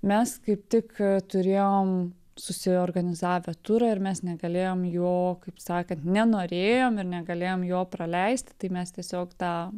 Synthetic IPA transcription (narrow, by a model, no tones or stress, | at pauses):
mʲɛskɐɪp̚t̪ʲɪkt̪ʊɾʲeːjoːm | sʊsʲɪoːɾɡɐnʲɪzɑːʋʲɛt̪ʊɾɐɪɾmʲɛsnʲɛɡɐlʲeːjoːmjoːkɐɪpsɑːkɐnt̪nʲɛnoːɾʲeːjoːmɪɾnʲɛɡɐlʲeːjoːmjoːpɾɐlʲɛɪsʲt̪ʲɪ̥t̪ɐɪmʲɛst̪ʲiɛsʲoːkt̪ɑː